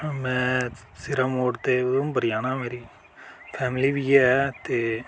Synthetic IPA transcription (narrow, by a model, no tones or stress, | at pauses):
mɛ̃ː | sɪɾɐmoːɖt̪eɐðumbɐɾɪjaːnãːmeːɾi | fʰɛːmɪliʋijɛt̪e